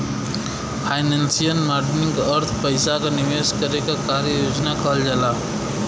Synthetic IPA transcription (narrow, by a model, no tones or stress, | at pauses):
pʰaɪnensijənmaɾɖniŋɡəɾt̪ʰpəɪsakeniʋeskəɾekekaɾjəjod͡ʒnakəɦəld͡ʒala